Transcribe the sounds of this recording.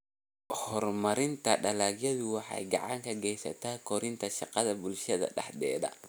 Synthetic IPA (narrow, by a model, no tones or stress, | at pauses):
hɔrmɐɾɪnt̪ʰɐɖɐlaːɡjɐðʊwɑħɑ̰jɡɑʕɑ̰ŋkʰɐɡɛjsɐ̰t̪ʰaːkʰɔɾɪnt̪ʰɐʃɑqɑðɐbʊlʃɐðɐ̰ɖɑ̰ħd̪ɛ̰ːðɐ̰